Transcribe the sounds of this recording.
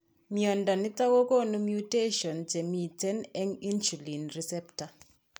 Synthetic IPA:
mjɔ˨nda˨nɪ˦ta˦wo˦ko˦nu˦mju˦te˦ʃɔ˨nt͡ʃe˨mi˨tɛ˦nɛ˦ŋi˦nsu˨li˨nɾi˨sɛ˦pta˨

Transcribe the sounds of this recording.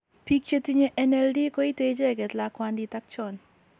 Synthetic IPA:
pi˦k̚t͡ʃe˦tiɲe˦ʔɛnɛldi˦kɔ˦i˦te˦d͡ʒe˦˨ɡɛ˨t̪lakwandi˦ta˦k̚t͡ʃɔ˨n

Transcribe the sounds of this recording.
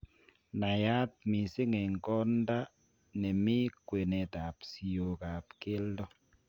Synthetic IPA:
na˨ja˦t̚mi˨se˦ŋe˨ŋ˨kɔ˦n˦da˦ | nɛ˨mi˦kwe˨nɛ˨ta˨psi˨o˨ka˨pke˦ldɔ˦

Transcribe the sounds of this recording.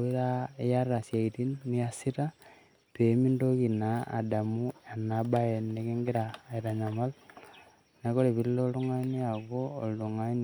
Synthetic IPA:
i˦ða˦e˦ja˦ra˨sja˨iti˦nːi˦a˦si˦ɾa˦ | te˨mi˦ndo˦ɣi˨naa̰˨da˨mu˦a˨naba˦e˨ne˦ɣe˦ŋɡi˦ɾaː˨iɾa˨ɲa˨ma˦l | na˨ko˦ɾe˨βi˨lːo˦lu˦ŋa˦ni˦a˨ɣo̰ː˦˨llu˨ŋa˦n

